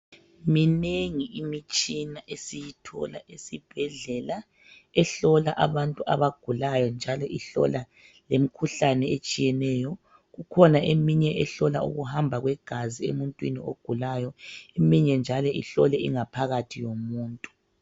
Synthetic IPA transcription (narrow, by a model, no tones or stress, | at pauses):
mineŋiʔimit͡ʃʼinaʔesijitʰɔ̰la̰ʔesib̥ʱɛɮɛla | ɛɬɔlaʔaβantʼua̰βaɡ̥ʱulajɔnd͡ʒʱalɔʔiɬɔ̰la | lemikʰuɬanɛet͡ʃʼijɛnɛːjɔ | ɣukʰɔnaʔemiɲɛʔɛɬɔla̰ṵɣuhambʱaɣwɛɡ̥ʱaziḛmuntʼwinḭoɡ̥ʱulajɔemiɲɛnd͡ʒʱalɔḭɬɔlɛiŋapʰaɣatʰijomuːntʼu̥